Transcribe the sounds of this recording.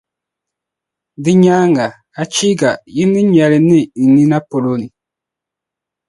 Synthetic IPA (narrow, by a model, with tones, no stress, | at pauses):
di˦ɲa˦ŋɡa˨ | a˨t͡ʃi˦ɡa˨ji˦ni˦ɲɛ˨li˨ni˦i˨ni˦na˦po˨lo˦ni˨